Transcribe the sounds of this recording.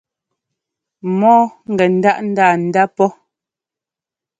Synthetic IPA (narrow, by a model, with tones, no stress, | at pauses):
mɔː˦ŋ̩˨ɡɛ˨n̩˦da˦ʔn̩˦daː˦˨n̩˨da˦pɔ˦